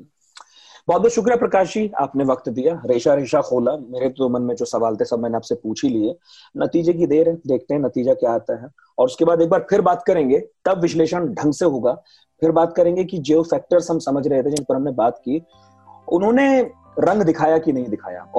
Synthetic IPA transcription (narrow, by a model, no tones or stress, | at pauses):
bɔːt̪̚bɔːʃʊk̬ɾijapɾɐkaːʃd͡ʒia̰ːpneʋɐkt̪d̪ijaɾeːʃaɾeːʃaxoːlameːɾeoːmənmẽd͡ʒoːsɐʋaːlt̪eɦɛsɐb̚ʱmɛːnẽaːpsepuːt͡ʃʰilie | nɐt̪iːd͡ʒek̬id̪eːɾɦɛd̪eːk̚ʰt̪ẽɦɛ̃nɐt̪iːd͡ʒakjaːɦaːt̪aɦɛ | ɔːɾʊskebaːd̪eːk̚baːɾpʰɪɾbaːt̪kɐɾẽːŋɡet̪ɐbʋɪʃleːʃənɖʱɐ̃ŋɡseɦoːɡaː | pʰɪɾbaːt̪kɐɾẽːŋɡekid͡ʒeːofɛːk̚ʈəɾsɦɐmsɐməd͡ʒʱɾɐɦet̪eɛd͡ʒɪnpəɾɦɐmnebaːt̪kiː | ʊnɦõːne | ɾɐ̃ŋɡd̪ɪkʰaːjakinɐɦĩd̪ɪkʰa̰ːja̰ː